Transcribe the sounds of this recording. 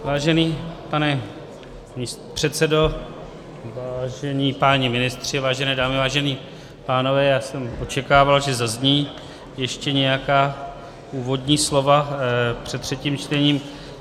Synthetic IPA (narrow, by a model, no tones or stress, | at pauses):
vaːʒɛniːpanɛ | mist̪pr̥ɛt̪sɛdo̞ | vaːʒɛniːpaɲɪmɪnɪst̪r̥ɪvaːʒɛnɛːdaːmɪvaːʒɛniː | paːno̞vɛːjaːsɛmʔo̞t͡ʃɛkaːvalʒɛzazɲiː | jɛʃcɛɲɛjakaː | ʔuːvo̞dɲiːslo̞vapr̝̥ɛt̪ːr̥ɛciːmt͡ʃt̪ɛɲiːm